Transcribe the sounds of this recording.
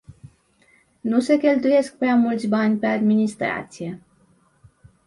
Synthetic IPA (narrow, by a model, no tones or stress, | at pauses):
nuse̞kʲe̞lt̪uje̞sk̚pɾeamult̪sʲbanʲpe̞ad̪minist̪ɾa̰t̪sije̞